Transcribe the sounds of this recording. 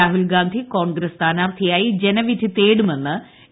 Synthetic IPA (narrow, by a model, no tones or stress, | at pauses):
aːɦulɡaːnd̪ʱiko̞ːɳɡɾɐst̪ʰaːnaːʋt̪ʰijaːjid͡ʑenɐʋit̪ʰit̪eːɽume̞nːɨ